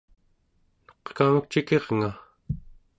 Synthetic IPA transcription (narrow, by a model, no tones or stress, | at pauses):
no̥qkamək̚t͡ʃike̞ʁŋa